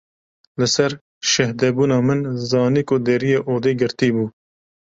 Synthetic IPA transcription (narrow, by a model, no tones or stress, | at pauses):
lɨsɛɾ | ʃɛhd̪ɛbuːnɑːmɨnzɑːniːkʊd̪ɛɾijeːʔoːd̪iːɡɨɾt̪iːbuː